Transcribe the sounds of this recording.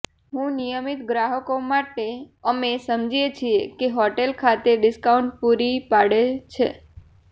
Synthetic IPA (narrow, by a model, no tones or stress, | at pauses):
ɦũnijəmit̪ɡɾaɦəkomaʈeəmesəmd͡ʒijet͡ʃʰiekeɦɔʈelkʰat̪eɖɪskauɳʈ̚puɾipaɽet͡ʃʰḛ